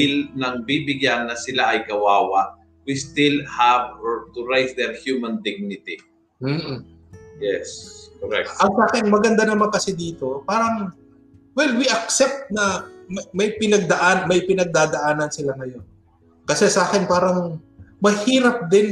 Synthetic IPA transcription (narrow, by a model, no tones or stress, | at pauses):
ɪlnɐŋbibɪɡjanːɐsɪlaʔɐjɡɐwaːwa̰ | wist̪ɪlhavt̪ʊɹajsd̪ɛɹhjumɐnd̪ɪɡ̚nɪt̪i | m̩ː | jɛ̰skoɾɛ̰kʔɐŋsaːkɪnmɐɡɐnd̪anɐmaŋkɐsɪd̪iːt̪o̞paːɾɐŋ | wɛlwiʔɐk̚sɛp̚t̪̚nɐmɐmɐjpɪnɐɡ̚d̪ɐʔanmɐjpɪnɐɡ̚d̪aːd̪ɐʔaːnɐnsɪlaŋɐjo̞n | kɐsɛsʔaːkɪnpaːɾɐŋ | mɐhiːɾɐp̚d̪ɪn